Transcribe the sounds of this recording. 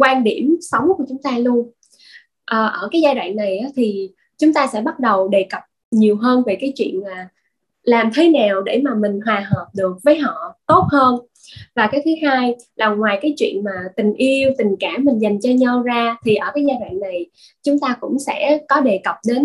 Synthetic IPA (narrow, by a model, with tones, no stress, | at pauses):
kwaː˧nɗi˧˩əmsə˨˦wŋ͡mku˧˩ət͡ɕʊ˨˦ŋ͡mt̪aː˧lu˧ən | ʔəː˨˩ʔəː˧˩kaː˨˦jzaː˧ɗwa̰ː˧˨ŋna˨˩jʔaː˨˦t̪ʰi˨˩ | t͡ɕʊ˨˦ŋ͡mt̪aː˧sɛ̰˧˥ɓa˦˥t̚ɗə˨˩wɗe˨˩kə˨˩p̚ | ɲi˨˩əwɦəː˧nve˨˩kaː˨˦jt͡ɕwḭ˧˨ənmaː˨˩ | laː˨˩mt̪ʰe˨˦naː˨˩wɗe˧˩maː˨˩mï˨˩ŋ̟ɦwaː˨˩ɦəː˨˩p̚ɗɨ˨˩ək̚vəː˨˦jɦɔ̰˧˨t̪o˦˥t̚həː˧n | vaː˨˩kaː˨˦jt̪ʰɨ˨˦haː˧j | la˨˩waː˨˩jkaː˨˦jt͡ɕwḭ˧˨ənmaː˨˩t̪ï˨˩ŋ̟ʔi˧əwt̪ï˨˩ŋ̟kaː˧˩mːï˨˩ŋ̟za˨˩jŋ̟t͡ɕɔ˧ɲa˧wzaː˧t̪ʰi˨˩ʔəː˧˩kaː˨˦jzaː˧ɗwa̰ː˧˨ŋna˨˩j | t͡ɕʊ˨˦ŋ͡mt̪aː˧kʊ̰˧˥ŋ͡msɛ̰˧˥kɔ˨˦ɗe˨˩kə˨˩p̚ɗe˨˦n